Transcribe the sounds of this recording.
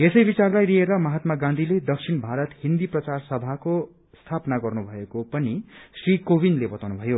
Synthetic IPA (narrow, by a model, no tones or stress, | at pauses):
esʌjbit͡sarlajrieɾʌmʌɦat̪maɡãnd̪ʱiled̪ʌksʰinbʱaɾʌt̪ɦind̪iprʌt͡sarsʌbʱako | st̪ʰapnaɡʌrnubʱʌekopʌnisrikobinlebʌt̪awnubʱʌjo